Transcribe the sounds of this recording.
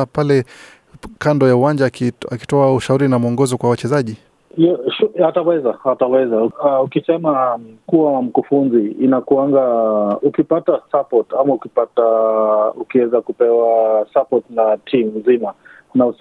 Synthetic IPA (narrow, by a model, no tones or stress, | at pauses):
palɛ | kandɔjauwaɲd͡ʒaaki̥tɔauʃauɾinamuɔŋɡɔzɔkwawat͡ʃɛzaʄi | ʃuatawɛzaatawɛzaukisɛmakuwawam̩kufunziːnakuaŋɡaukipatasapɔtamaukipataukiwɛzakupɛwasapɔtnatʰim̩zima | nau